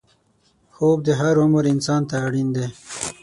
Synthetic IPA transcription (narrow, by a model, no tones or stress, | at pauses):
xoːb̚d̪əɦaɾʊməɾɪnsɑːnt̪aːɽind̪e